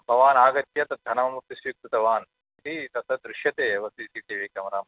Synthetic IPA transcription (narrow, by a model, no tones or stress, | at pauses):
bʱɐʋaːnaːɡɐt̪jɐt̪ɐd̪ʱɐnɐmɐmut̪ːisʋik̚t̪ut̪ɐʋaːn | it̪it̪ɐt̪ɐd̪ɾuʃjɐt̪eːɐʋɐst̪iːsiːt̪eːʋeːkɐmɐɾaːmɐ